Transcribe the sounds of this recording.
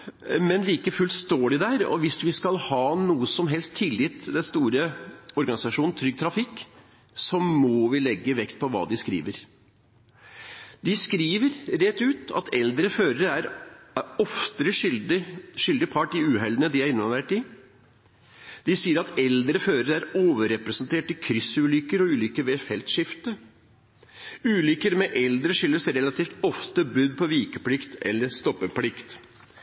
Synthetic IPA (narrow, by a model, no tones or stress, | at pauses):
mɛnliːkəfʉlst̪oːɖɪd̪æɾɔ̰ʋɪsʋɪskɑlhɑːnuːəsɔmɦɛlst̪ʰːɪlːɪt̪ːd̪ɛnst̪uːɾəɔɾɡɑnɪsɑʂuːnn̩t̪ʰɾʏɡ̚t̪ʰɾɑfɪkː | sɔmːɔʋɪlɛɡːəʋɛkt̪̚pʰɔʋɑ̰ːd̪ɪskɾḭːʋəɾ | d̪ɪskɾiːʋəɾɾɛt̪ːʉːt̪ɑ̰t̪ʰɛld̪ɾəføːɾəɾəæɾ | ɔft̪əɾə | ʂʏld̪ɪpʰɑʈːɪʉːɦɛlənəd̪ɪæɾɪnʋɑnʋeːʈɪ | d̪̥ɪsiːəɾɑt̪ɛld̪ɾəføːɾəɾəæɾoːʋəɾɛpɾɛsnt̪ʰeːʈɪkʰɾʏsʉːlʏkəɾɔʉːlʏːkəʋeːfɛlt̪ʂɪft̪əɾ | ʉːlʏkəɾmɛʔɛld̪ɾəʂʏlːəsɛɾɛlɑt̪ʰiːft̪ɔft̪əbʉd̪̚pʰɔʋiːkəpʰlɪkt̪ɛ̰lːəɾst̪ɔpːəpʰlɪkt̪